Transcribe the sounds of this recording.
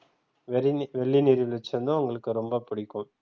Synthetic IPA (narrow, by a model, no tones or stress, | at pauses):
ʋɛɭːinɪɾɯʋɪlɐt͡ʃːɐnd̪ãʊŋɡɐɭɯkːɯɾɔmbɐpʊɽɪkːɯ̃m